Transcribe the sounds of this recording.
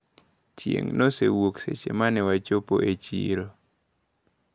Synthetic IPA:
t͡ʃjḛŋnosewokset͡ʃemanɪwat͡ʃopo̰ʔet͡ʃiɾo

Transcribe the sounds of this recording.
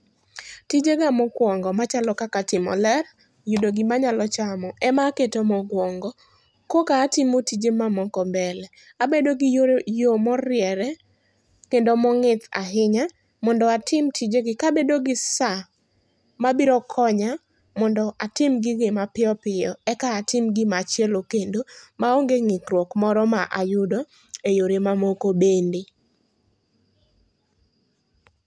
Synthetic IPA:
tid͡ʒeɡamɔkwɔŋɡɔmat͡ʃalɔkakatɪmɔ̰lɛr | judoɡɪmaɲalɔt͡ʃamɔʔɛmaketomɔɡwɔŋɡɔ | kokaːtɪmotid͡ʒemamɔkɔbɛlɛ | abedoɡɪjojomɔɾɪjɛɾɛ | kendomɔŋɪt̪a̰ɦɪɲa | mɔndɔatʰɪmtid͡ʒeɡɪkabedoɡɪsa | mabiɾɔkʰɔɲa | mɔndɔʔatɪmɡɪɡɪmapɪɔpɪjɔɛkaːtɪmɡɪmat͡ʃjɛlokendomaoŋɡeŋɪkɾwɔkmɔɾɔmaʔajʊdɔ | ejoɾemamokobendi

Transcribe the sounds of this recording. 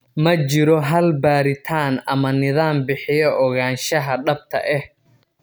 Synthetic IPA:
mɐt͡ʃɪɾɔɦɐlbaːɾɪt̪ʰaːnɐmɐnɪðaːmbɪħɪjɔʔɔɣaːnʃɐɦɐɖɐb̚t̪ʰɐ̰ʔɛh

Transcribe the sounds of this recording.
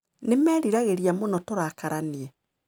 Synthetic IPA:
nemɛːɾiɾaɣeɾiamonɔtoɾakaɾaniɛ

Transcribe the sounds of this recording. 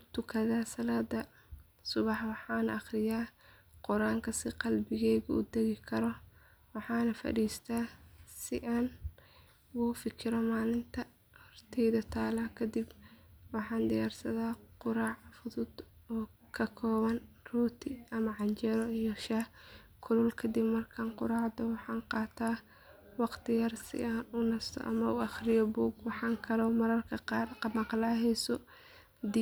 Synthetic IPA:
t̪ʊkʰɐðaːsɐlaːd̪ɐ | sʊβɑħwɑħɑːnɐʔɑχrɪjaːqʊɾaːŋkʰɐsɪqɑlbɪɣɛːjɣʊṵːd̪ɛɣɪkʰɐɾɔ | wɑħɑːnɐfɐ̰ɽiːst̪ʰaːsɪʔaːn | wuːfɪkʰɪɾɔmaːlɪnt̪ʰɐ | hɔrt̪ʰɛjðɐt̪ʰaːlakʰɐd̪ɪbwɑħɑːnd̪ɪjaːrsɐðaːqʊɾaːʕfʊðʊd̪ | ɔː | kʰɐkʰɔːβɐn | ruːt̪ʰɪʔɐmɐʕɑnt͡ʃɛɾɔijɔʃah | kʰʊlʊlkʰɐd̪ɪbmɐrkʰaːnqʊɾaːʕd̪ɔwɑħɑːnqɑːt̪ʰaː | wɑqt̪ʰɪjɐrsɪ̰ʔaːnʊnɐst̪ʰɔ̰ʔɐ̰mɐʊɑχrɪjɔbuːɡwɑħɑːŋkʰɐɾɔmɐɾɐrkʰɐɑrmɑqlaːɦɛjsɔ | d̪

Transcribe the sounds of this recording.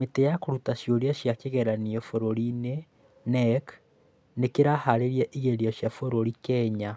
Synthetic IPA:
metejakoɾutaʃjoɾiaʃjakeɣɛɾaniɛfoɾoɾine | nɛk | nekeɾahaɾeɾjaʔiɣeɾiɔʃjafoɾoɾikɛɲa

